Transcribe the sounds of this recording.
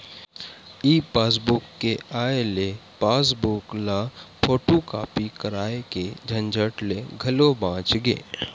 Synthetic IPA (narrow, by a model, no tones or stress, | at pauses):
iːpaːs̬bʊkːeaːelepaːs̬bʊklapʰoːʈokaːpikəɾaːeked͡ʒʱɐ̃nd͡ʒəʈleɡʱɐlobãːt͡ʃɡḛː